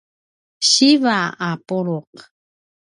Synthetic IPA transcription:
ɕivaapuɾuq

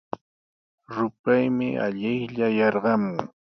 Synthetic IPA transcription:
ɾʊpajmɪʔa̰ʎɪjʎajɑɾɢɑmʊŋ

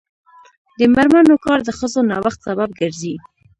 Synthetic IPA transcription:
d̪əmaɾmanokɑɾd̪əxəzonɑwaxt̪sabab̚ɡəɾzi

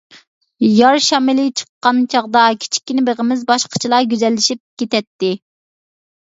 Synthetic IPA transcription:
jɑɾʃɑmɪlɪt͡ʃʰə̥qːɑnt͡ʃʰɑʁd̪ɑkʲʰi̥t͡ʃʰi̥kʲːinɪbeʁəmɪzbɑʃqʰə̥t͡ʃʰilˠɑɡʲyzɛlːɪʃip̚kʲet̪ɛt̪ːɪ

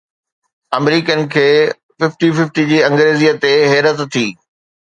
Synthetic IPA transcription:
ɐmɾiːkənɪ̆kʰeː | fɪfʈifɪfʈid͡ʑiːɐ̃ŋɡɾeːziːət̪eɦɛːɾət̪t̪ʰːiː

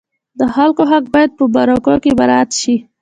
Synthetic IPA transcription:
d̪əxalkoɦak̚bɑjad̪̚pəbaɾokokebaɾɑat̪ʃi

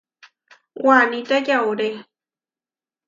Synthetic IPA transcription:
wanit̪ajawɾe

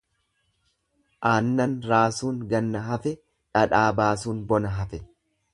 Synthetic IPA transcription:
ʔaːnːɐnɾaːsuːŋɡɐnːɐɦɐfɛ | ᶑɐᶑaːbaːsuːnbɔnɐɦɐfɛ

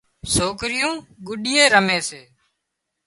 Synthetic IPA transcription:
soːkɾɪjõːɡʊɗɪːeːɾəmeːseː

